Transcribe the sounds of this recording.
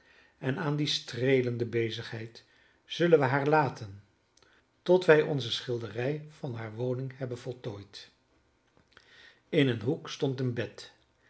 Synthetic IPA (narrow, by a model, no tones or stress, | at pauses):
ɛnaːndistrejləndəbejzəχɦɛjt | z̥ɵlənʋəɦaːɹlaːtən | tɔtʋɛjʔɔ̰nzəsχɪlˠdərɛjvɑnɦaːɹʋownɪŋɦɛbənvɔlˠtoːjt | ɪnənɦukstɔntənbɛt